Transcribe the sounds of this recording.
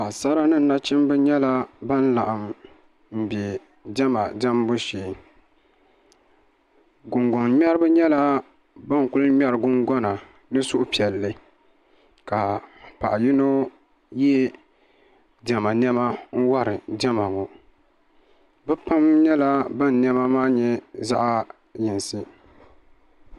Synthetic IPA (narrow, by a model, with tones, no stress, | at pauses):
ka˨sa˦ɾa˦nɨ˦n̩˦na˦t͡ʃɪ˦m˦bɨ˦ɲɛ˦la˦ba˦n˦la˨ʔa˨m | m̩˨bɛ˨ | d͡ʒɛ˦ma˨d͡ʒa˦mbo˦ʃiː˨ | ɡʊ˨ŋɡɔ˨ŋm˦ɛ˦ɾɨ˦bɨ˦ɲɛ˦la˦ | ba˦ŋ˨kʊ˦lɲɛ˦ɾɨ˨ɡʊ˦ŋɡɔ˦na˨ | nɨ˦sʊ˦ʔʊ˦pi˨ɛ˨lːɨ˦ | ka˨pa̰˨ʔji˦no˦ | jɛ˦ | d͡ʒa˨ma˨n˦ɛ˦ma˦n̩˦wa˦ɾɨ˨d͡ʒɛ˦ma˨ŋo˨ | bɛ˦pa˦mɲɛ˦la˦ba˦n˨nɛ˦ma˦maː˦ɲɛ˦za̰˦ʔa˦ | jɪ˨n˨sɨ˦